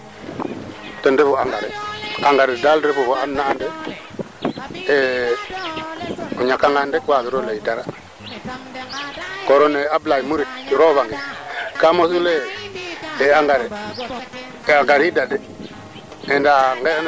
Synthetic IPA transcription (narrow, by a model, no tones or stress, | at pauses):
tondefuaŋɡaɾeaŋɡaɾedalɾefufoanːaːnde | e | uɲakaŋɡandekwaɡiɾolajidaɾa | koɾoneablajimuɾit̚ɾoβaŋɡekamos̬ule | eaŋɡaɾe | aɡaɾidade | endaŋɡen